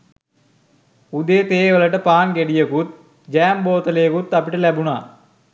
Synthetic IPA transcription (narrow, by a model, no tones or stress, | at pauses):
ud̪eːt̪eːʋələʈəpaːŋɡeɖijəkut̪̚ | d͡ʒæːmboːt̪əlejːkut̪ːapiʈəlæbuna̰ː